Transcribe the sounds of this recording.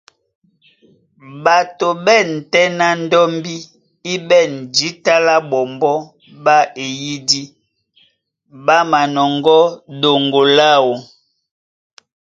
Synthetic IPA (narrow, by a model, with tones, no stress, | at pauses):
ba˨to˨bɛ˦˨n˨tɛ˦na˦n˦dɔ˦mbi˦ | i˦bɛ˦˨n˨d͡ʒi˨˦ta˦la˦ɓɔ˨mbɔ˦ | ba˦e˨ji˦di˦ | ba˦ma˨nɔ˨ŋɡɔ˦do˨ŋɡo˨la˦wo˨